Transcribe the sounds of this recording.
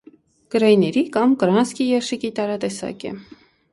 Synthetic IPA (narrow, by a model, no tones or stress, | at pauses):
ɡ̥əɾɑjnɛɾikɑmkəɾɑnskijɛɾʃikit̪ɑɾɑt̪ɛsɑ̰kɛ̰